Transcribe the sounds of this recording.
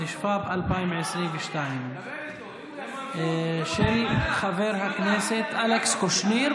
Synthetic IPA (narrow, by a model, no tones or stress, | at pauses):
iʃfabʔalpajimʕɪsɾiːmvɪʃt̪ajim | ʃɛlxaveɾɦakneːset̪ʔalekskoʃniɾ